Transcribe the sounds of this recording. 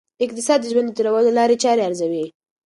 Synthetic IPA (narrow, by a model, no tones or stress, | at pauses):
ɪqt̪ɪsɑd̪ːəʒwand̪ət̪uɾawəlolɑɾet͡ʃɑɾeaɾzawi